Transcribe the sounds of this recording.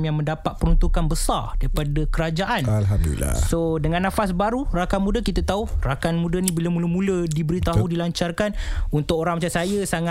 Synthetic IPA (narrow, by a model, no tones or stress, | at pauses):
mjaŋmə̃ndapat̪̚pəɾunt̪ukanbəsardaɾipadakəɾad͡ʒaʔanalɦamd̪ṵla̰sodəŋãnːãfas̬baɾurakanmũdakit̪at̪aurakanmũdanibilamuləmũlədibəɾit̪aɦudilaɲt͡ʃarkanunt̪ʊk̚oɾaŋmat͡ʃansajəsaŋa